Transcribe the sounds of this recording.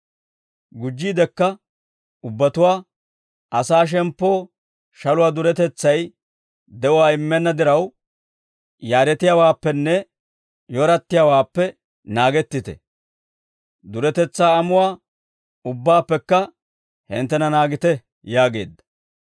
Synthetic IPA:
ɡʊd͡ʒːiːd̪ɛkːɐ | ʊbːɐt̪ʊwaː | ʔɐsaːʃ̬ɛmpːo̞ː | ʃɐlʊwaːd̪ʊɾɛt̪ɛt͡sːɐj | d̪ɛʔʊwaːɪmːɛnːɐd̪ɪɾɐw | jaːɾɛt̪ɪjawaːpːɛnːɛ | jɔɾɐt̪ːɪjawaːpːɛ | naːɡɛt̪ːɪt̪ɛ̰ | d̪ʊɾɛt̪ɛt͡sːaːɐmʊwaː | ʊbːaːpːɛkːɐ | hɪ̰nt̪ːɛnɐnaːɡɪt̪ɛ | jaːɡe̞ːd̪ːɐ̥

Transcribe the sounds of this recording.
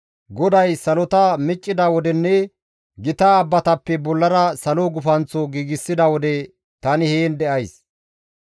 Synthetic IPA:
ɡɔd̪ɐjsɐlɔt̪ɐmɪt͡ʃʼːɪd̪ɐwɔd̪ɛnːɛ | ɡɪt̪aːbːɐt̪ɐpːɛbɔlːɐɾɐsɐloɡʊfɐnt͡sːɔɡiːɡɪsːɪd̪ɐwɔd̪ɛ | t̪ɐnɪheːnd̪ɛʔɐjs

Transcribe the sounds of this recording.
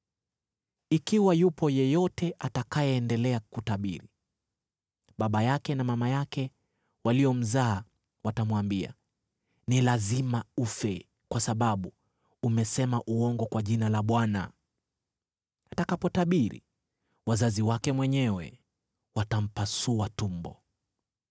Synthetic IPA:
ikiwajupɔjɛjɔtɛʔatakajɛːndɛlɛakutaɓḭɾi | ɓaɓajakɛnamamajakɛ | waliɔm̩zaː | watamwambia̰ | nilazimaufɛ | kwasaɓaɓu | umɛsɛmaʔuɔŋɡɔkwaʄinalaɓwana̰ | atakapɔtaɓiɾḭ | wazaziwakɛmwɛɲɛwɛ̰ | watam̩pasuatumbɔ̰

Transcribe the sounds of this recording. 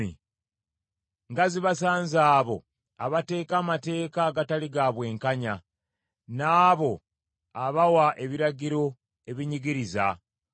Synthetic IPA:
ḭ | ŋɡaziβasaːnzaːβo̞̰ | a̰βate̞ːkamate̞ːkaɡataliɡaβwe̞ːŋkaɲa | naːβo̞ | aβawaʔe̞βiɾaɟiɾo̞ | e̞βiɲiɡiɾiza̰

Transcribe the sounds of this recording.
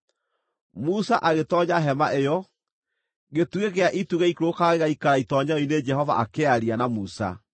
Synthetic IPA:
musaʔaɣetɔɲaɦɛmaʔejɔ | ɣetuɣeɣeaʔituɣɛikɾokaɣeɣaikaɾaitɔɲained͡ʒɛɦɔva̰ʔakeaɾianamusa̰

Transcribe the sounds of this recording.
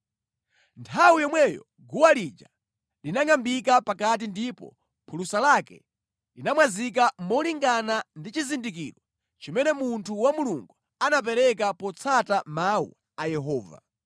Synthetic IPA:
ntʰawujɔmwɛjɔ̰ | ɡuwalid͡ʒa | linaŋambikapakat̬indipɔ̰ | pʰulusalakɛ̰ | linamwazik̬amɔliŋɡanandit͡ʃizindik̬ḭɾɔ | t͡ʃimɛnɛmuntʰuwamuluŋɡu | anap̬ɛɾɛk̬apɔt͡sʰatamaṵ | ajɛɦɔːva̰

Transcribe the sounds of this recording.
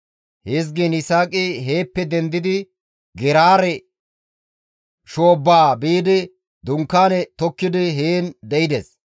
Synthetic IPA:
hes̬ɡɛnɪsaːkʼɪɦeːpːɛd̪ɛnd̪ɪd̪ɪ | ɡɛɾaːɾɛ | ʃoːbːaːbiːd̪ɪ | d̪ʊŋkːaːnɛt̪ɔkːɪd̪ɪɦeːnd̪ɛɪd̪es

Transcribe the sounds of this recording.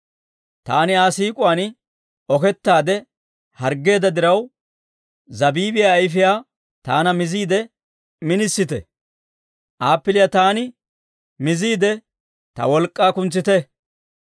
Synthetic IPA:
t̪aːnɪaːsiːkʼʊan | ɔkɛt̪ːaːd̪ɛ | hɐɾɡːe̞ːd̪ɐd̪ɪɾɐw | zɐbiːbɪjaːjfɪjaː | t̪aːnɐmɪziːd̪ɛ | mɪnɪsːɪt̪ɛ̰ | ʔaːpːɪlɪjat̪aːnɪ | mɪziːd̪ɛ | t̪ɐ̰wɔlkʼːaːkʊnt͡sːɪt̪ɛ

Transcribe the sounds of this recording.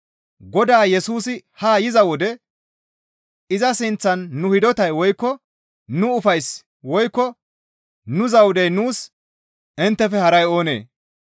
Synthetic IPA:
ɡɔd̪aːjɛsuːsɪhaːjɪzɐwɔd̪ɛ | ɪzɐsɪnt͡sːɐnːʊhɪd̪ɔt̪ɐjwɔjkːɔ | nʊʊfɐjs | wɔjkːɔ | nʊzɐwʊd̪ɛjnuːs | ɪnt̪ːɛfɛhɐɾɐjo̞ːnḛː

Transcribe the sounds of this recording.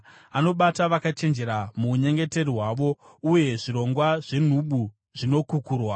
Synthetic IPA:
ano̞ɓataʋakat͡ʃe̞nd͡ʒe̞ɾamuːɲe̞ŋɡe̞te̞ɾiɦwaʋo̞ | uje̞ʐiɾo̞ŋɡwaʐe̞n̤uɓu | ʐino̞kukuːrwa

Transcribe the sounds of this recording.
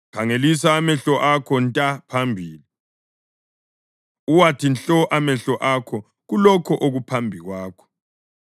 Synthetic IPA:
kʰaŋelisaːmɛɬɔʔakʰɔntʼapʰambʱiːli | uwatʰinɬɔʔamɛɬɔʔakʰɔ | ɣulɔkʰɔʔoɣupʰambʱiɣwaːkʰɔ̥

